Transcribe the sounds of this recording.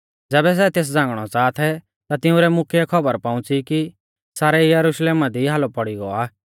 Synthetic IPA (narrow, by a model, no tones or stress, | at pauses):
d͡zɛːbɛs̬ɛt̪eːs̬d͡zãːŋɡɽ̃ɔt͡saːt̪ʰɛ | t̪at̪ɪũɾɛmʊkʰjɛkʰɔbəɾpãʊ̃t͡siki | saːɾɛijɐɾuʃleːmad̪iɦaːlɔpɔɽiɡɔ̰aː